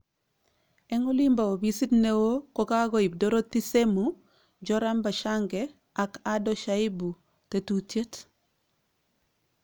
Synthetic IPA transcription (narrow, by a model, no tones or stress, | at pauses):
ɛŋulimbawobisitnewokokaɡoib̚doɾotːisemu | ɟɔɾambaʃaŋɡe | akadoʃaibu | tetutet